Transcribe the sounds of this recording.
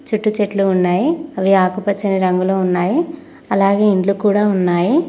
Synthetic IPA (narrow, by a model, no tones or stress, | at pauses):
t͡ʃuʈːut͡ʃeʈluːnːaːjiɐʋiaːkupɐt͡ʃːɐniɾɐŋɡuloːunːaːji | ɐlaːɡe̞ːiɳʈlukuːɽaːunːaːji